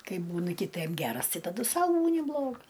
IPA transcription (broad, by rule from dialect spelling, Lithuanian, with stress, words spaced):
ˈkɐɪ ˈbuːnɨ kɨˈtɜm ˈɡʲæːrɐs ˈtɐɪ tɐˈdʊ ˈsɐʊ ˈbuːnʲɪ ˈblˠoːɡɐs